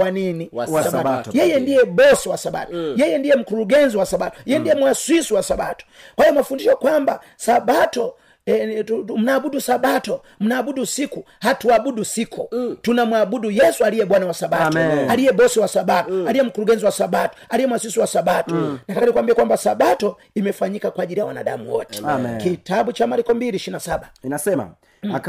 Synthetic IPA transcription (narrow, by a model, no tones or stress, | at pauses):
waniniasajɛjɛndijɛbɔsɛwasaɓa̰tɔjɛjɛndijɛm̩kuɾuɡɛnziwasabatɔ̥jɛjɛndijɛmwaswisiwasabatɔ̥kwahijɔmafundiʃɔkwamba | saɓatɔ | m̩naːbudusabatɔ | m̩naːbudusiku | hatuabudusikʰutunamuaɓudujɛsualijɛɓwanawasaɓaalijɛɓɔsɛwasaɓatɔalijɛm̩kuɾuɡɛnziwasaɓatɔ̥alijɛmwasisiwasaɓatɔnakakanikwambiɛkwambasaɓatɔ | imɛfaɲikakwaʄilijawana̰ɗa̰muwɔ̰tɛ̥kitaɓut͡ʃamaɾikɔmbiliːʃiinasaɓa